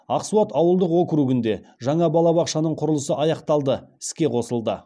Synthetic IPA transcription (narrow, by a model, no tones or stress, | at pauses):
ɑqsuɑt̪ɑwəlˠd̪əqwo̞kʲɾuɡɪnd̪e̞ʒɑɴɑbɑlˠɑbɑqʃɑnəɴqʰʊɾəlˠəsəʔɑjɑqt̪ɑlˠd̪əɪ̥skʲe̞qʰo̞səlˠd̪ə